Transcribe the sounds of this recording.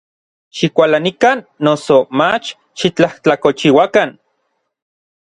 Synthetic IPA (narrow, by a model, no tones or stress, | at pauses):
ʃikʷalanikanːosomat͡ʃ | ʃit͡ɬaht͡ɬakot͡ʃiwakan